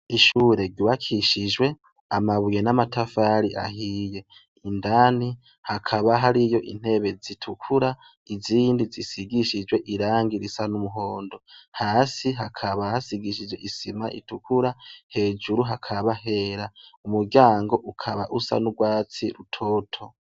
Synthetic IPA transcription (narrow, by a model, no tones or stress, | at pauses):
iʃuːɾe̞ɾɟuβakʰiʃid͡ʒwe̞ | amaβuje̞namatafaɾiʔa̰hije̞ | indani | hakʰaβaɦaɾijo̞ʔḭn̥he̞βe̞zitʰukʰuɾa | iziːndizisiɡiʃid͡ʒwe̞ʔiɾaːŋɡiɾisanumuɦo̞ːndo̞haːsiɦakʰaβahasiɡiʃ̬id͡ʒwe̞ʔisimaʔḭtukʰuɾahe̞ːd͡ʒuɾuɦakʰaβaɦe̞ːɾaumuɾɟjaːŋɡo̞ʔukʰaβa̰ʔusa̰nuɡwaːt͡siɾutʰo̞tʰo̞